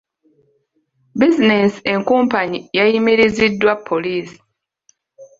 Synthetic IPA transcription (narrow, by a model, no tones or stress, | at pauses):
bizineseŋkuːmpaɲijajimiɾizidːwapʰːoliːsi̥